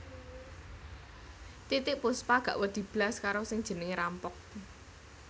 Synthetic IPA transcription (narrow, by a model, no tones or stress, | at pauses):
t̪it̪ɪʔpʊspaɡ̥a̤̰ʔwəd̪̥i̤b̥laskaɾosɪŋd̥ʒ̥ə̤nɪŋɾampɔk̚